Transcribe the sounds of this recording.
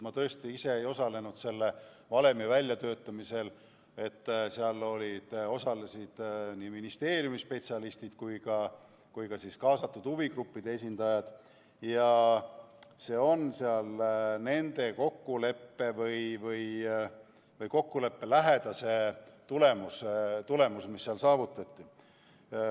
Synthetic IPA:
mɑt̪ɤ̞est̪iise̞ejo̞sɑle̞nud̪̥se̞lːe̞ | vɑle̞mevælʲːjɑt̪ø̞ːt̪ːˑɑmise̞l | e̞t̪ːseɑlːo̞lʲid̪̥o̞sɑlesid̪̥niːminist̪e̞ːɾjumispe̞t̪ʲsiɑlist̪id̪̥kujɡɑ | kujkɑsiskɑːsɑt̪ːˑud̪̥huviɡɾupːid̪̥e̞es̬ʲind̪ɑjɑd̪̥ | jɑ | se̞ːo̞nseɑlne̞nd̪̥e̞ko̞kːule̞pːe̞vɤjvɯj | vɤjko̞kːule̞pːe̞læɦe̞d̪̥ɑse̞t̪ule̞must̪ule̞musmisːeɑlsɑːvut̪ːˑɑt̪ːi

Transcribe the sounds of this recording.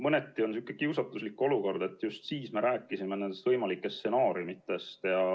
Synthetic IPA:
mɤne̞t̪ːˑio̞nsykːˑekiwsɑt̪ːˑuslikːo̞luko̞rd̪̥e̞t̪ːˑjust̪siːsme̞ɾæːkːˑisimenend̪e̞st̪vɤjmɑlikːˑe̞st̪se̞nɑːɾiumit̪ːe̞st̪jɑ

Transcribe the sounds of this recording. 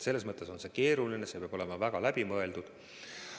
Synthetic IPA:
se̞lːe̞s̬mɤt̪ˑːe̞so̞nse̞ke̞ːɾulinese̞peɑ̥o̞le̞mɑvæɡ̥ɑlæb̥imɤe̞ld̪̥ud̪̥

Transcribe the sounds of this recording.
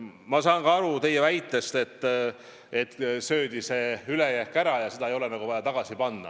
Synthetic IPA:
mɑsɑːŋɡ̥ɑɑɾut̪e̞jːevæjt̪ːˑe̞st̪e̞t̪ː | et̪ːsø̞ːd̪̥ise̞ːylejækːˑæɾɑjɑse̞d̪ɑejo̞le̞nɑɡ̥uvɑjɑt̪ɑɡ̥ɑsipɑnːɑ̰

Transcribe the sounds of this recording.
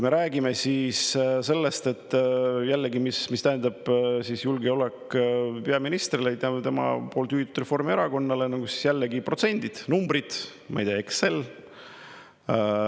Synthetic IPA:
kume̞ɾæːɡ̥ime̞siːsse̞lːe̞st̪e̞t̪ːjælːeɡimismist̪æɦend̪ɑb̥sisjulɡeole̞kːpe̞ɑminist̪rilejt̪ɑt̪e̞mɑ̰po̞ːlt̪yhit̪ut̪re̞fo̞rmie̞ɾɑko̞nːɑle̞nɑɡusi̥sjælːeɡipro̞t̪se̞nʲd̪̥id̪̥numbrid̪̥ | mɑ̰jd̪eekse̞l

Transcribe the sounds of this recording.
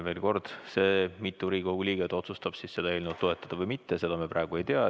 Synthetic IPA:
ve̞ːlko̞rd̪̥se̞ːmit̪ːˑuɾiːkoɡ̥ulʲiːɡ̥et̪o̞t̪sust̪ɑb̥sisse̞d̪ɑelnut̪ːoe̞t̪ˑːɑd̪̥ɑvɤjmit̪ːese̞d̪̥ɑmeprɑeɡ̥ue̞jt̪eɑ

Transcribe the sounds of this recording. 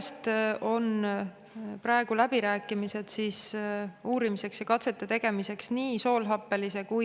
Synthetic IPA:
st̪o̞n | prɑeɡ̥ulæb̥iɾæːkːˑimise̞d̪̥siːsuːɾimise̞ksjɑkɑt̪se̞t̪ːˑet̪e̞ɡ̥e̞mise̞ksniːso̞ːlɦɑpːˑe̞lise̞ku

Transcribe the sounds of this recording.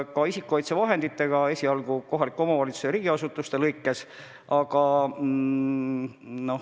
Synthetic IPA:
kɑisikːˑuojt̪sevɑɦe̞nd̪̥it̪ːe̞ɡ̥ɑe̞sʲiɑlɡ̥uko̞ɦɑlikːo̞mɑvɑlʲit̪sujɑɾiːɡ̥iɑsut̪ːˑust̪e̞lɤjkːˑe̞s | ɑɡ̥ɑ | no̞h

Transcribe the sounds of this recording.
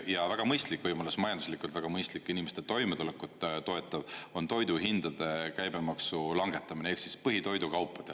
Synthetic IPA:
jɑvæɡ̥ɑmɤjst̪likːˑvɤjmolesmɑjɑnd̪uslikːˑult̪væɡ̥ɑmɤjst̪likːˑinimest̪et̪o̞jmet̪ulekːˑut̪ːt̪o̞e̞t̪ːˑɑvo̞nt̪o̞jd̪uɦind̪̥ɑd̪̥e̞kæjbe̞mɑksulɑŋɡ̥e̞t̪ːˑɑmineeksispɤɦit̪o̞jd̪ukɑwpːˑɑd̪̥e

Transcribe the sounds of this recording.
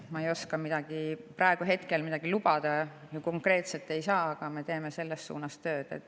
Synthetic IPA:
mɑe̞jo̞skɑmid̪̥ɑɡ̥iprɑeɡ̥uɦe̞t̪ke̞lmid̪̥ɑɡ̥ilub̥ɑd̪̥ɑ | juko̞ŋkˑre̞ːt̪set̪ːˑe̞jsɑːɑɡ̥ɑme̞t̪e̞ːme̞se̞lːe̞ssṵːnɑst̪ø̞ːd̪̥e̞̰t̪ːˑ

